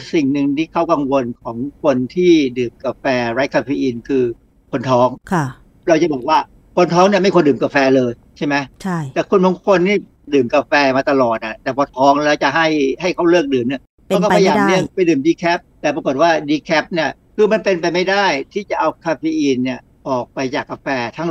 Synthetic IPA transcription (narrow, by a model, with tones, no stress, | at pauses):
si˨˩ŋnɯ˧ŋt̪ʰiː˥˩kʰa˦˥wka˧ŋwo˧nkʰɔː˩˦ŋkʰo˧nt̪ʰiː˥˩dɯː˨˩mkaː˧fɛː˧ɾa˦˥jkʰaː˧fiː˧˥ʔiː˧nkʰɯː˧ | kʰo˧nt̪ʰɔː˦˥ŋkʰ | ɾa˧wt͡ɕa˨˩bɔː˨˩k̚waː˥˩ | kʰo˧nt̪ʰɔː˦˥ŋni˥˩ma˥˩jkʰo˧ndɯː˨˩mkaː˧˩fɛː˧lɤː˧jt͡ɕʰa˥˩jma˦˥jt͡ɕʰa˥˩t̪ɛː˨˩kʰu˧nbɔ˨˦ŋkʰo˧nniː˥˩ | dɯː˨˩mka˧fɛː˧maː˧t̪a˧lɔː˨˩t̪̚ʔa˨˩t̪ɛː˨˩pʰɔː˧t̪ʰɔː˦˥ŋlɛː˦˥wt͡ɕa˨˩ʔɦa˥˩jha˥˩jkʰa˥˩wlɯː˥˩k̚dɯː˨˩mni˥˩ə | pʰɔː˦˥kɔ˥˩pʰa˧jaː˨mnɯ˧˥˩əŋpa˧jdɯː˨˩mdiː˧kʰɛː˦˥p̚t̪ɛː˨˩pɾa˧ko˨˩t̪̚waː˥˩diː˧kʰɛː˦˥p̚ni˥˩ɐ | kʰɯː˧ma˧npe˧npa˧jma˥˩jda˥˩jt̪ʰiː˥˩t͡ɕa˨˩ʔa˧wkʰaː˧feː˧˥ʔiː˧nːi˥˩ə | ʔɔː˨˩k̚pa˧jt͡ɕaː˨˩kːa˧fɛː˧t̪ʰa˦˥˩ŋ